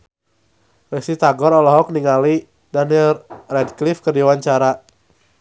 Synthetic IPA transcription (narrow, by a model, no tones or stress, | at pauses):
ɾɛsit̪aɡɔɾɔlɔɦɔk̚niŋali | danilrɛdklifkərdiwaɲt͡ʃaɾa